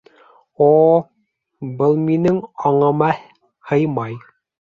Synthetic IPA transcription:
o | bɤlˠminɘŋɑɴɤ̆mɑ | hɤjmɑj

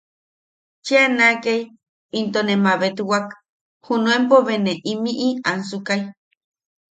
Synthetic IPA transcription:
t͡ʃianakej | int̪onemaβet̪uwak | hunuempoβeneʔimiʔiansukaj

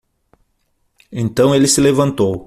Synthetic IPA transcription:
ẽnt̪ɐ̃w̃elɪsɪlevɐ̃nt̪ow

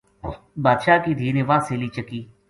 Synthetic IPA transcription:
baːd̪ʃaːkiːd̪ʱiːnẽːʋãːseːliːt͡ʃəkiː

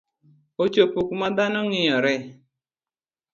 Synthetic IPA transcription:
ot͡ʃopukmad̪anɔŋɪjɔɾɛ

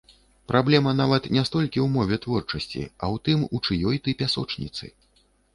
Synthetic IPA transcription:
pɾʔablʲɛmɐn̪avɐt̪nʲɛst̪ɔlʲkʲiwmɔvʲɛt̪vɔrt͡ʂɐsʲt͡sʲḭɐ̰wt̪ɨmut͡ʂɨjɔjt̪ɨpʲasɔ̰t͡ʂnʲḭt̪sɨ̰

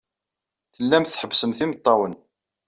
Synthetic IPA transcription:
θəlːæmθħəbːsəmθimət̪ˤːɑwən

